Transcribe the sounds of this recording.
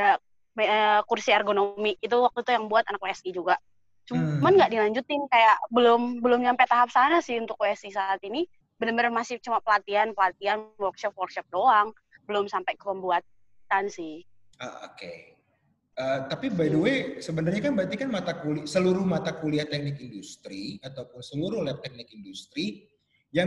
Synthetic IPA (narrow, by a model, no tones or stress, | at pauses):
a | məkursiarɡonomɪkit̪uwak̚t̪ut̪ujaŋbuat̪anakweɛsid͡ʒuɡaʔ | t͡ʃumanɡaʔdilaɲd͡ʒut̪ɪnkajaʔbəlʊmbəlʊmɲampet̪aɦap̚sanasɪhunt̪ʊk̚weɛsisaːt̪ini | bəlʊmbənarmasɪt͡ʃumapəlat̪ianpəlat̪ianwɔrkʃɔp̚wɔrkʃɔp̚doaŋ | bəlʊmsampakəpəmbuat̪̚ | ansɪh | a̰o̰kḛ | əːt̪apibaiduesəbənarɲakanbəɾant̪ikanmat̪akulisəluɾʊhmat̪akuliaht̪ɛk̚nɪkindust̪ɾiat̪awpʊnsəluɾʊliat̪ɛk̚nɪkindust̪ɾi | ja